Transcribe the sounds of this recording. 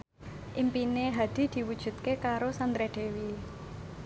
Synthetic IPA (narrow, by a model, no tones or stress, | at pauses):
ʔimpineɦad̪̥i̤d̪̥i̤wud̥ʒ̥ṳt̪̚kekaɾosand̪ɾeɖ̪̥e̤wi